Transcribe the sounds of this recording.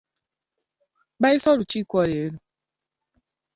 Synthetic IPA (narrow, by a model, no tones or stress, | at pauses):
baɪsɔɾʊt͡ʃikʷɔɾeɾu